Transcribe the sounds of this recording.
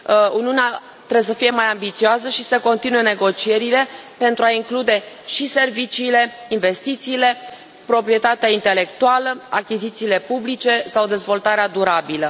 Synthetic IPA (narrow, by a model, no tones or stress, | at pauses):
uniunea | t̪ɾebesəfije̞majambit̪sioas̬əʃisəko̞nt̪inuje̞ne̞ɡo̞t͡ʃie̞ɾile̞pe̞nt̪ɾuaiŋklud̪e̞ | ʃise̞rvit͡ʃiːle̞ | inve̞st̪it̪siːle̞ | pɾo̞pɾije̞t̪at̪eaint̪e̞le̞k̚t̪ualəakʲizit̪siːle̞publit͡ʃe̞sawd̪e̞zvo̞lt̪aɾead̪uɾabilə